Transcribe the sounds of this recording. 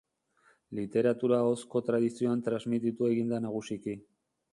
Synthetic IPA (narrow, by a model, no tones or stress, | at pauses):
lit̪e̞ɾat̪uɾaosko̞t̪ɾaðisio̞ant̪ɾazmit̪it̪ue̞ɣind̪anaɣ̞usiki